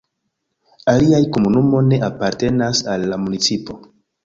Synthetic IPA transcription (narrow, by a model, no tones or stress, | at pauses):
aliajko̞munumo̞ne̞ʔapaɾte̞nasalːamunit͡sipo̞